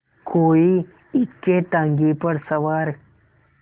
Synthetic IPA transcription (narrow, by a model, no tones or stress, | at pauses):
koi | ikːet̪ãŋɡipəɽsəʋaɾ